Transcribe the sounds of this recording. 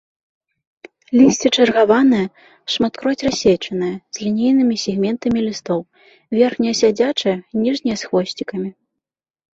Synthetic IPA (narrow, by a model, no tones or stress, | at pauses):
lʲisʲt͡sʲit͡ʂɐrɣavanɨjɐ | ʂmat̪kɾɔt͡sʲrasʲet͡ʂɐnɨjɐz̥ʲlʲinʲijnɨmʲisʲɛɣmʲɛnt̪ɐmʲilʲist̪ɔw | vʲɛrxnʲijɐsʲad͡zʲat͡ʂɨjɐnʲiʐnʲijɐsxvɔsʲt͡sʲikɐmʲi